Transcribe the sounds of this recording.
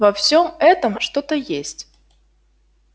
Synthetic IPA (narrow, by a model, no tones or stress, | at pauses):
vɐfsʲomɛt̪əmʂt̪o̞t̪əjesʲtʲ